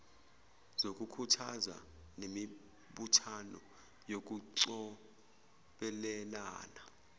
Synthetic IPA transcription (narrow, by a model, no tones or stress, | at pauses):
zok̬ʼukʰutʰaza̰nemi | ɓutʰanɔ̰ | jok̬uǀɔ | ɓɛlɛlaːna